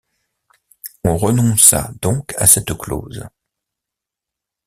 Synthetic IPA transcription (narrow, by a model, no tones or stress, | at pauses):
ɔ̃ʁənɔ̃sa̰d̪̥ɔ̃kʰa̰sɛt̪klo̰ːz